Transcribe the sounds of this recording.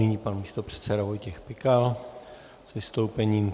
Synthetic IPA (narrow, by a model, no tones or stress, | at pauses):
ɪɲiːpanmiːst̪opr̝̥ɛ̥t̪sɛdavo̞jcɛxpɪkal | zvɪst̪o̞wpɛɲiːm